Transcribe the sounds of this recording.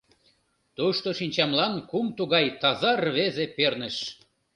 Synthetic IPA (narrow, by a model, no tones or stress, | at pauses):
t̪uʃt̪oʃinʲt͡ɕɑmlɑnkumt̪uɣɑjt̪ɑzɑrβezepernə̆ʃ